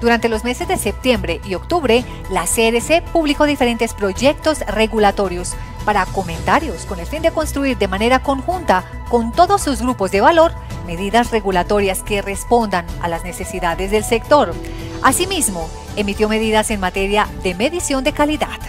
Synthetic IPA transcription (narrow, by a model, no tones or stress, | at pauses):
d̪̥uɾant̪e̞lo̞zme̞se̞zd̪e̞se̞p̚t̪je̞mbɾe̞ʔio̞kt̪uβɾe̞ | laseðesepuβliko̞ðifeɾe̞nt̪e̞spɾo̞ʝe̞k̚t̪o̞sre̞ɣulat̪o̞ɾjo̞s | paɾako̞mẽ̞nt̪aɾjo̞sko̞ne̞lfind̪e̞ko̞nst̪ɾuiɾd̪e̞mane̞ɾako̞ŋxunt̪a | ko̞nt̪o̞ðo̞sːuzɡɾupo̞zd̪e̞βalo̞ɾ | me̞ðiðasre̞ɣulat̪o̞ɾjaske̞re̞spo̞nd̪analazne̞se̞siðaðe̞zðe̞lse̞k̚t̪o̞ɾ | asimizmo̞ | e̞mit̪jo̞me̞ðiðase̞nmat̪e̞ɾjaðe̞me̞ðisjo̞nd̪e̞kaliða̰ð̥